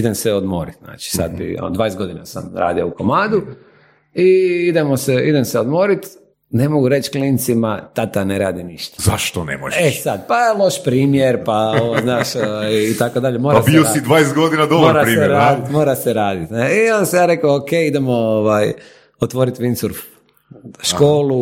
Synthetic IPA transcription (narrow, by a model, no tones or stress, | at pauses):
id̪emsɛod̪mo̰ːɾit̪na̰ːt͡ʃi̥sa̰d̪̚bḭo̰nd̪ʋaːjest̪ɡo̞d̪inasa̰mɾa̰ːd̪iouko̞maːd̪u | iid̪emoseid̪emseod̪moɾit̪ | ne̞mo̞ɡuɾe̞t͡ʃklinit̪simat̪at̪aneɾa̰ːd̪iniʃt̪ḁza̰ʃt̪onḛmojesad̪paelˠo̞ʃpɾiːmjeɾpaoʋoznaːʃoʋajːt̪akod̪aʎemoːɾabiosid̪ʋaːjest̪̚ɡod̪inad̪obmoɾaɾiːmeeɾaːd̪it̪moːɾaseɾaːd̪it̪neionsejaːɾe̞kookejid̪emooʋaːj | ot̪ʋo̞ːɾit̪ʋinsuɾf | ʃkoːlu